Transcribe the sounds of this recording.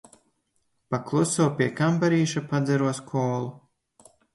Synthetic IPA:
paklˠusɔːwpʲiɛkampaɾiːʃapad̪zʲɛɾuɔskʰɔːlˠu

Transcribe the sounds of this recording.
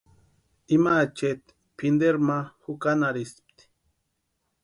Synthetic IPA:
imat͡ʃet̪ | pʰind̪eɾmahukanaɾisp̚t̪i̥

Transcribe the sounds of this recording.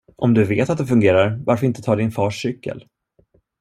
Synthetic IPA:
ʔɔmd̪ɵveːt̪at̪̚d̪ɛfɵŋɡeːɾaɾvaɾfœɾɪnt̪ət̪ʰɑːɖɪnfɑːʂːʏkːə̰l

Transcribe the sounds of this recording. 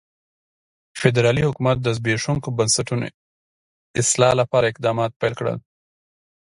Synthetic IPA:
fɪd̪ɾɑlihʊkumat̪̚d̪əzbeʂuŋkobənsaʈuno̰ | ɪslɑlapɑɾaɪq̚d̪ɑmɑt̪̚pajlkɽə̰l

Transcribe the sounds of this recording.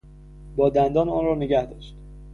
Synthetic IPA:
bɒːd̪ænd̪ɒːnɒːnrɒːneɡæhd̪ɒːʃt̪

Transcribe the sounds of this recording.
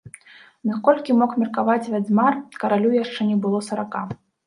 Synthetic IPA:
nakɔlʲkʲimɔkmʲɛrkavat͡sʲvʲazʲmarkɐɾalʲujaʂt͡ʂɛnʲɛbɨlˠɔsɐɾaka

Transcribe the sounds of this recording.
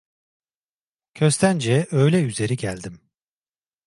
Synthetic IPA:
cʰø̞st̪ʰænd͡ʒɛø̞jlʲɛyze̞ɾiɟælʲd̪im

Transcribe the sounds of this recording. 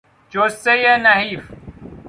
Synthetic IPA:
t͡ɕoːsejenɐɦiːf

